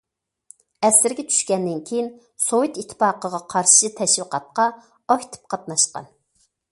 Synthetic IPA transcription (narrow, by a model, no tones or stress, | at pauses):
ɛsɪɾɡʲɛt͡ʃʰy̥ʃkʲɛnd̪ɪnkʲʰejin | sowɨt̪it̪ʰːɨ̥pɑːqəʁɑqʰɑɾʃʃɨt̪ʰɛʃwəqɑt̪̚qɑ | ɑkt̪ʰɨ̥p̚qʰɑt̪nɑʃqɑ̰n